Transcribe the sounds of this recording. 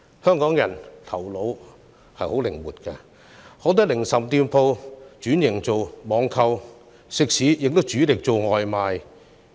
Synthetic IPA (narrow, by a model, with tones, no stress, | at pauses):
hœː˥ŋkɔː˨˥ŋjɐ˨˩nt̪ʰɐ˨˩wlo˨˧˥w | hɐ˨jho˨˥wlɪ˨˩ŋwuː˨˩t̚kɐː˧ | hɔː˨˧˥wt̪̬ɐ˥k̚lɪ˨˩ŋsɐ˨mt̪iː˧mpʰo˧wt͡ʃyː˨˥njɪ˨˩ŋt͡so˨wmɔː˨˥ŋkʰɐ˧w | sɪ˨k̚siː˨˥jɪ˨k̚t̪o˥wt͡ʃyː˨˥lɪ˨k̚t͡so˨wŋɔː˨jmaː˨˧j